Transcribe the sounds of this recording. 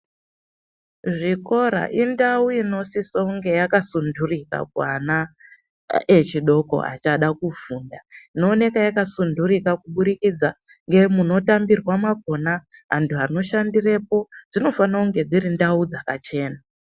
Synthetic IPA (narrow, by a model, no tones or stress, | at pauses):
ʐiko̞ɾa̰ʔindauino̞sisouŋɡe̞jakasundʱurika̰kuana | e̞t͡ʃiɗo̞ko̞̰a̰t͡ʃaɗakuvuːndaino̞ːne̞kajakasundurikakuɓuɾikid͡za | ŋɡe̞muno̞tambirwamaɡ̚ʱo̞naɦa̰ntuɦano̞ʃandire̞po̞d͡zino̞fanauŋɡe̞d͡ziɾindaud͡zakat͡ʃe̞ːna